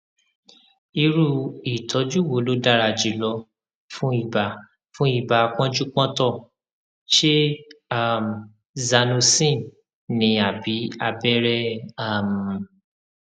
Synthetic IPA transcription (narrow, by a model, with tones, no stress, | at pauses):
i˧ɾu˧i˨tʰɔ˨˦d͡ʒu˦wo˨˦lo˨˦da˦˨ɾa˧d͡ʒi˨˦lɔ˧˦ | fũ˦i˦˨ba˨ | fũ˦i˦˨ba˨˧k͡pɔ̃˦d͡ʒu˦k͡pɔ̃˦tɔ˦˨ | ʃe˦a˦˨m˨ | za˧nũ˧sĩ˦˨ | nĩ˨˧˦a˨bi˨˦a˧bɛ˦ɾɛ˦a˦˨m̩˨